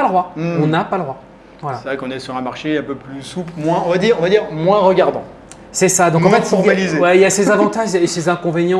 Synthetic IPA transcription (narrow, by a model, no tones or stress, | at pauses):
ald̪ʁwaɔ̃napaləd̪ʁwa | vwalasɛvʁɛkɔ̃nɛsyʁɛ̃maʁʃeɛ̃pøplysuplmwɛ̃ɔ̃vad̪iːʁɔ̃vad̪iːʁmwɛ̃ʁəɡaʁd̪ɑ̃ | sɛsad̪ɔ̃kɑ̃fɛt̪ɔʁmalizewɛiljasezavɑ̃t̪aʒesezɛ̃kɔ̃veɲjɑ̃